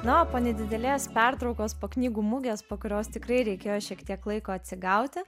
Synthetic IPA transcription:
nʊoːpoːnʲɛd̪ʲɪd̪ʲɛlʲeːspʲɛrt̪ɾɒʊkoːspoːknʲiːɡuːmʊɡʲeːspoːkʊɾʲoːst̪ʲɪkrɐɪɾʲɛɪkʲeːjoːʃʲiɛkt̪ʲiɛklˠɐɪkoːɐt̪ʲsʲɪɡɐʊt̪ʲɪ

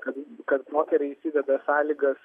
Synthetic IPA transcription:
kɐt̪kɐt̪moːk̪ʲɛɾʲɛɪisʲiːd̪ʲɛd̪ɐsɑːlʲiɡɐs

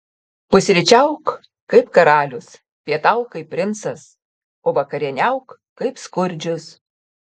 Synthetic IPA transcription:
pʊsʲɾʲɪt͡ʃʲɛʊk | kɐɪpkɐɾɑːlʲʊs | pʲiɛt̪ɐʊkɐɪp̚ʲːɾʲɪnt̪sɐs | oːʋɐkɐɾʲɛnʲɛʊkː | kɐɪpskʊɾʲd͡ʒʲʊs

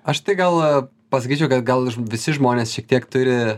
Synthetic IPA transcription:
ɐʃt̪ɐɪɡɐlˠ | pɐsɐkʲiːt͡ʃʲɛʊkɐt̪ɡɐlˠʋʲɪsʲɪʒmoːnʲeːsʃʲiɛk̚t̪ʲiɛkt̪ʊɾʲɪ

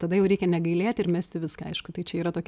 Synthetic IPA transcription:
t̪ɐd̪ɐjɛʊɾʲɛɪkʲɛnʲɛɡɐɪlʲeːt̪ʲɪɾmʲɛsʲt̪ʲɪʋʲɪskɐɐɪʃkʊt̪ɐɪt͡ʃʲɛiːɾɐt̪oːkʲ

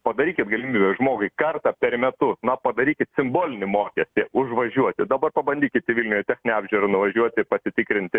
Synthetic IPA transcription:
pɐd̪ɐɾʲiːkʲɪt̪ɡɐlʲɪmʲiːbʲɛʒmoːɡʊɪkɐrt̪ɑpʲɛrmʲɛt̪ʊsnɐpɐd̪ɐɾʲiːkʲɪt̪sʲɪmboːlʲɪnʲɪmoːkʲɛsʲt̪ʲɪʊʒʋɐʒʲuɔt̪ʲɪd̪ɐbɐrpɐbɐnʲd̪ʲiːkʲɪt̪ʲɪʋʲilʲnʲjɛt̪ʲæːxʲnʲnʲɛɑːbʲʒʲɪɾɐnʊʋɐʒʲuɔt̪ʲɪpɐsʲɪt̪ʲɪkɾʲɪnʲt̪ʲɪ

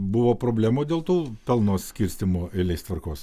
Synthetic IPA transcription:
bʊʋoːpɾoːbʲlʲæːmoːd̪ʲeːlˠt̪uːpʲɛlˠnoːsʲkʲɪɾʲsʲt̪ʲɪmoːɪlʲɛɪst̪ʋɐɾkoːs

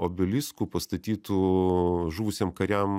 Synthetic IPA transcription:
oːbʲɪlʲɪskuːpɐst̪ɐt̪ʲiːt̪uːʒuːʋʊsʲeːmkɐɾʲɛm

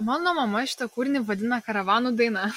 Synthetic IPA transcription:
mɑːnoːmɐmɐʃʲɪ̥t̪ɐkuːɾʲnʲɪʋɐd̪ʲɪnɐkɐɾɐʋɑːnud̪ɐɪnɑ

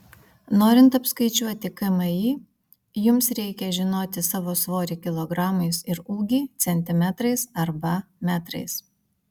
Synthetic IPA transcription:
noːɾʲɪnt̪ɐpskɐɪt͡ʃʲuɔt̪ʲɪkɐmɐjiː | jʊmsɾʲɛɪkʲɛʒʲɪnoːt̪ʲɪsɑːʋoːsʋoːɾʲɪkʲɪlˠɔɡɾɑːmɐɪsɪɾuːɡʲiːt̪sʲɛnʲt̪ʲɪmʲæt̪ɾɐɪsɐɾbɐmʲæt̪ɾɐ̰ɪs

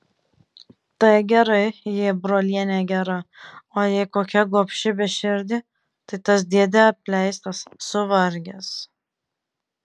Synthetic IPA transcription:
t̪ɐɪɡʲɛɾɐɪjɪbɾoːlʲiɛnʲɛɡʲɛɾɐoːjɛɪkoːkʲɛɡoːpʲʃʲɪbʲɛʃʲɪɾʲd̪ʲɪ | t̪ɐɪt̪ɐs̬d̪ʲiɛd̪ʲɛɐpʲlʲɛɪst̪ɐsːʊʋɐɾʲɡʲɛs

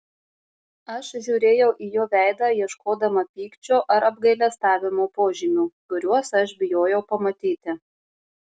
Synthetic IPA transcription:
ɐʃʒʲuːɾʲeːjɛʊʔiːjoːʋʲæˑɪd̪ɑːjiɛʃkoːd̪ɐmɐpʲiːkt͡ʃʲoːʔɐɾɐb̚ɡɐɪlʲɛst̪ɑːʋʲɪmoːpoːʒʲɪmʲuːkʊɾʲuɔsɐʃbʲɪjoːjɛʊpɐmɐt̪ʲiːt̪ʲɪ

